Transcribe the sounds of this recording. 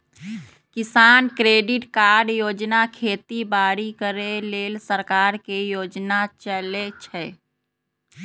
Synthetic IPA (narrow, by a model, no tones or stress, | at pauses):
kisankɾeɖiʈkaɾɖjod͡ʒnakʰet̪ibaɾikəɾelelsəɾkaɾkejod͡ʒnat͡ʃəlet͡ʃʰɛ